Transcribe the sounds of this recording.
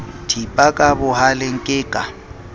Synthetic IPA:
tʰipʼakʼabʊɦalɪŋ̩kʼɪːkʼa

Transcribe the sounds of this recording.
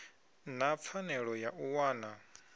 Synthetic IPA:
nap̪fʰanɛɺɔjaʔuwaːna

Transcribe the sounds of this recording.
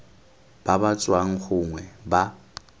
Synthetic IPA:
b̥abat͡sʼwaŋ̩χʊŋwɛba

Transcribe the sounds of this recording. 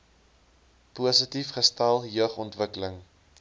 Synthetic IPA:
puəsətifχəstælˠjœχɔntvəkələŋ

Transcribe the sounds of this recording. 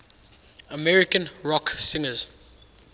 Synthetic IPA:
əmɛɹɪkə̃nɹɔksɪ̃ŋəz̥

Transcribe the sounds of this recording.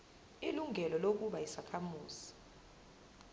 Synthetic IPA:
iluŋʱɛlɔlok̬uɓaisakʰamuːz̥i̥

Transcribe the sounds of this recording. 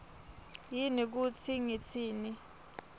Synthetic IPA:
jinik̬ut͡sʰiŋet͡sʰiːni

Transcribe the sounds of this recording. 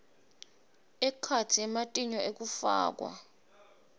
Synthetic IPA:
ɛkʰatʰiɛmatʼiɲɔek̬ufa̰ːk̬wa̰

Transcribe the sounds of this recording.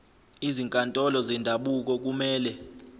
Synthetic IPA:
iziŋkʼantʼɔlɔzɛndʱaɓuk̬ɔk̬umɛːlɛ

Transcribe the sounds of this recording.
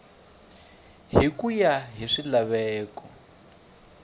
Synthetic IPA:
ɦikujaɦiʂilaβɛːkɔ

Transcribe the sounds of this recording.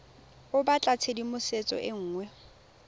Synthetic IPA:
ʊbat͡ɬʼat͡sʰedimʊset͡sʼɔ̰ʔɪŋ̩ːŋwɛ

